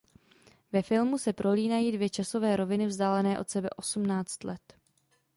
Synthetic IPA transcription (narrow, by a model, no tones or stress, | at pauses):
vɛfɪlmusɛpɾʔo̞liːnajiːdvjɛt͡ʃaso̞vɛːɾo̞vɪnɪvzdaːlɛnɛːʔo̞t̪sɛbɛʔo̞sumnaːt͡st̪lɛt̪